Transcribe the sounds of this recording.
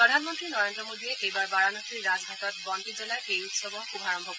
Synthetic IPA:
pɹɔd̪ʱanmɔntɹinɔɹendɹɔmodiɛʔejbaɹbaɹanɔktiɹɹazɦatɔt̚bɔndizelajʔejutsɔbɔubʱaɹɔmbʱɔkɔ

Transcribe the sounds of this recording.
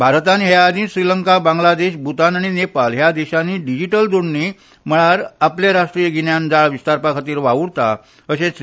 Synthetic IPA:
bʱaɾt̪anɦead̪ĩsɾiləŋkabãŋɡlad̪eɕbʱut̪anaɽ̃inepalɦjad̪eɕaniːɖid͡ʑiʈəld͡zoɽni | m̤əɭaɾapljaɾaʂʈɾijəɡʱiɳjand͡zaɭʋist̪aɾpakʰat̪iːɾʋaʋuɽt̪a̰ | əɕẽs

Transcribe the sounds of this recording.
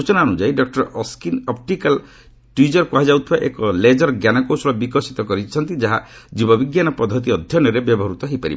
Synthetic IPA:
ut͡ʃɔnaɔnud͡ʒajɖɔk̚ʈɔɾskinɔp̚ʈikal | ʈwid͡ʒɔɾkɔɦad͡ʒawt̪ʰibaʔḛkɔled͡ʒɔɾɡjanɔkowslɔbikɔsit̪ɔkɔɾit͡ʃʰɔnt̪id͡ʒaɦa | d͡ʒibɔbiɡjanɔpɔd̪ʱːɔt̪̬iɔd̪ʱjɔnɔɾebjɔbɔɦɔɾut̪ɔɦejpaɾḭbɔ

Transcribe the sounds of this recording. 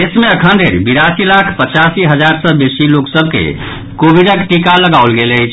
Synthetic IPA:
esmeəkʰənd̪ʱeɾbiɾasilakʰpət͡ʃasiɦəd͡ʒaɾsəbesiloksəb̚ʱkḛ | kobiɖəkʈikaləɡaulɡeləjt͡ʃʰ

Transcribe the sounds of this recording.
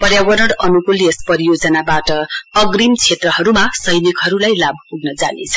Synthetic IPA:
pʌrjawʌɾʌɽʌnukuliespʌɾijod͡zʌnabaʈʌːɡrimt͡sʰet̪rʌɦʌɾumasʌjnikɦʌɾulajlabʱpuɡnʌd͡za̰net͡sʰʌ

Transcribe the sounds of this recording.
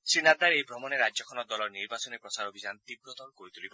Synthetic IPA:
sinad̪aɾeibɾɔmɔneɾad͡ʒjɔkʰɔnɔd̪ɔlɔɾniɾbasɔnipɾɔsaɾobʱid͡ʒant̪ibɾɔt̪ɔɾkoɾit̪ulibɔ

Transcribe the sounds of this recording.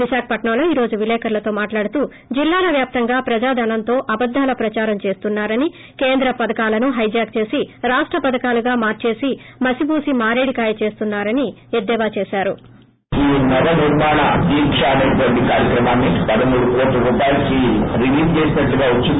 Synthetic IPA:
ʋiʃaːkɐpɐʈɳɐmlo̞ːiːɾo̞ːd͡ʒuʋilɛːkɐɾlɐt̪o̞ːmaːʈlaːɽut̪uː | d͡ʒilːaːlɐʋjaːp̚t̪ɐŋɡaːpɾɐd͡ʒaːd̪ʱɐnɐnt̪o̞ːʔɐbɐd̪ʱːaːlɐpɾɐt͡ʃaːɾɐmt͡ʃe̞ːst̪unːaːɾɐni | ke̞ːnd̪ɾɐpɐd̪ɐkaːlɐnuɦɐjd͡ʒaːɡ̚t͡ʃe̞ːsiɾaːʂʈɾɐpɐd̪ɐkaːluɡaːmaːɾt͡ʃe̞ːsimɐsibuːsimaːɾeːɽikaːjɐt͡ʃe̞ːst̪unːaːɾɐni | ed̪ːɛːʋaːt͡ʃe̞ːsaːɾu | iːnɐbɐniɾmaːɳa̰d̪iːkʂaːd̪ɐb̪ɐɖikaːɾjɐkɾɐmaːnːipɐd̪ɐmuːɽukoːʈlɐɾuːpaːjɐlɐkiɾiʋiːst͡ʃeːsnɐʈːuɡaːut͡ʃːi

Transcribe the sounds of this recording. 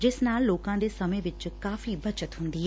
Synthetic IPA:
d͡ʒɪsnaːlːoːkãːd̪eːsɐmẽʋɪt͡ʃkkaːfibɐt͡ʃət̪ɦʊ̃nd̪iɦɛ

